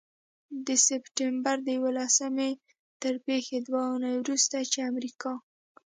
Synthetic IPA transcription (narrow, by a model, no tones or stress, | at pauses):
d̪əsɪpʈɪmbaɾd̪əjawəlasame | t̪əɾpexed̪waunajwɾust̪at͡ʃeamɾikɑ